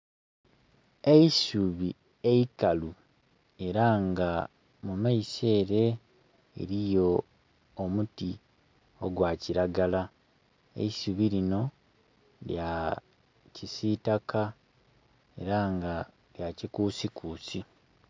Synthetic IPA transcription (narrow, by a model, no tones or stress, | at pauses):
eisuβi | eikalu | e̞ɾaŋɡa | mumaise̞ːɾe̞ | ḛɾijo̞ | omuti | oɡwaːciɾaɡala | ḛisuβiɾino̞ | lja | cisitakʰa | e̞̰ɾaŋɡa | ljacikuːsikuːsi